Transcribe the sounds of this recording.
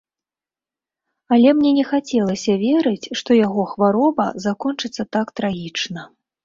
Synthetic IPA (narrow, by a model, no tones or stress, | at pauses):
ɐlʲɛmnʲɛnʲɛxat͡sʲɛlˠɐsʲɐvʲɛɾɨt͡sʲʂt̪ɔjaɣɔxvaɾɔbɐ̰zakɔnt͡ʂɨt̪sːɐt̪akt̪ɾaɣʲit͡ʂnɐ